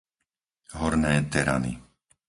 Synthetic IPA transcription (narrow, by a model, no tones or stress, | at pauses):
ɦɔɾnɛːt̪ɛɾa̰nḭ